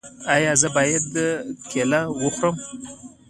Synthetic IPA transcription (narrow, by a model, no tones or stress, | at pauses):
ajɑzəbɑjad̪əkʰelawəxʷɾəm